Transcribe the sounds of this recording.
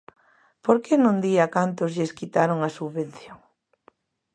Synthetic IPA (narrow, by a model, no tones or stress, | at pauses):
poɾkenõnd̪iakant̪ʊzʎeskit̪aɾoŋasuββen̟θjoŋ